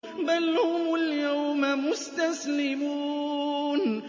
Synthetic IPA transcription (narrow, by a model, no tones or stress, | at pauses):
balːamʊljawmmʊst̪aslɪmuːn